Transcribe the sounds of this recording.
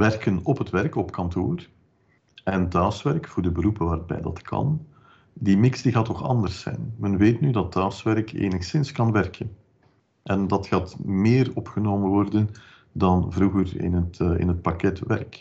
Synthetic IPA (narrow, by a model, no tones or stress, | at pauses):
ʋɛrkənɔpɦətʋɛrkɔpkɑntʰo̰ːr | ɛntaːsʋɛrkfʊːrdəbəɾupəʋaːrbɛ̰jdɑ̰tkʰɑ̰n | dimɪksdiɣaːtɔxɑ̰ndərsɛ̰jnmənʋeːtnydɑtːaːsʋɛrkḛːnəxsɪnskɑnʋɛrkʰən | ʔɛndɑtxaːtmɪːrɔpxənoːmənʋɔrdən | dɑnvɾuɣərɪ̰nətɪ̰nɦət̚pakɛtʋɛ̰rk